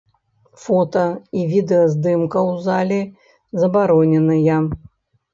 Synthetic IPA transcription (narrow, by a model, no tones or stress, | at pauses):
fɔt̪ɐivʲid̪ɛɐzd̪ɨmkɐwzalʲi | zɐbaɾɔnʲɛnɨjɐ